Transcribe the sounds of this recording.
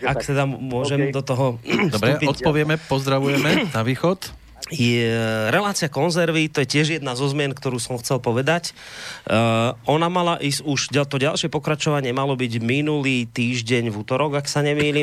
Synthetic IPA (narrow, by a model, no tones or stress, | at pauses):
akt̪ɛd̪amʊɔʒɛmd̪ɔt̪ɔɦɔd̪ɔbɾɛuʔpɔt̪pɔʋɪɛmɛppɔzd̪ɾaʋujɛmɛnaʋiːxɔt̪ | jɛɾɛlaːt͡siɪakɔnzɛɾʋit̪ɔjɛcɪɛʒjɛd̪nazɔzmɪɛnkt̪ɔɾuːsɔmxt͡sɛlpɔʋɛd̪ac | ɔnamalaʔiːzuʒɟat̪ɔɟalʃɪɛpɔkɾat͡ʃɔʋaɲɪɛmalɔbiɟminulit̪iːʒɟɛɲvut̪ɔɾɔɡaksaɲɛmiːliː